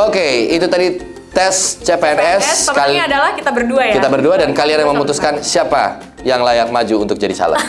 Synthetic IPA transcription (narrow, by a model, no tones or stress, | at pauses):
okeit̪ut̪adi | t̪ɛst͡ʃepeɛnɛsaladalahkit̪abərduait̪abərduadankalianjaməmut̪uskansiapa̰ | jaŋlajak̚mad͡ʒuːnt̪ʊk̚d͡ʒadisa̰la̰t̪